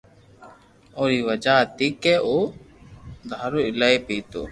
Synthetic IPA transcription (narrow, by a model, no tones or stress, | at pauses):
oːɾiːʋəd͡ʒaːt̪ikɛːʔoː | d̪ʱaːɾoːɪlaepiːt̪o̰ː